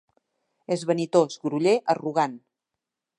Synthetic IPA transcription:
ezβənit̪ozɣɾuʎeʔəruɣan

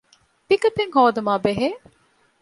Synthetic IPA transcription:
pikɐt̪eŋhoːd̪ɐmaːbeɦeː

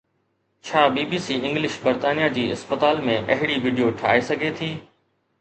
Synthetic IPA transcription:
t͡ɕʰaːbiːbiːsiːɪ̃ŋɡlɪʃbɐɾt̪aːnijad͡ʑiːɪ̰spət̪aːlmẽʔɐɦɪɽiʋiːɖijoʈʰa̰ːesɐɡʱet̪ʰiː

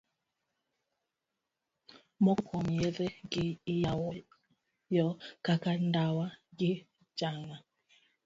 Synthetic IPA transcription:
mɔkʰɔmɛðɛɡiijawɔ | jɔkakandawaɡi | d͡ʒaŋa

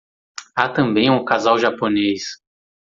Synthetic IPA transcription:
at̪ɐ̃mbẽj̃ũkazawʒaponejs

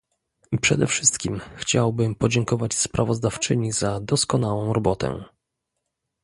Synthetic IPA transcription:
pʂɛ̰d̪ɛ̰fʂɘst̪kʲimxt͡ɕawbɘmpɔd͡ʑɛŋkɔvat͡ɕspɾʔavɔzd̪aft͡ʂɘɲizad̪ɔskɔn̪awɔ̃w̃ɾɔbɔt̪ɛ̰

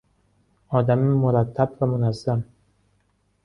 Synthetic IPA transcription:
ɔːd̪amimʊɾat̪ʰːabvamʊnazːam

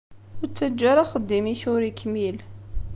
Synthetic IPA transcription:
ʊɾt͡sːæd͡ʒːaɾaχəd̪ːimiçʊɾikːmil

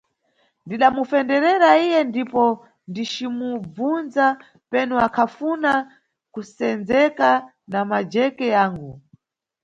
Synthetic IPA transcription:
ndiɗamufɛndɛɾɛɾaijɛndipɔ | ndit͡ʃimub͡vunza | pɛnɔakʰafuna | kusɛnd͡zɛka | namad͡ʒɛkɛjaːŋɡu

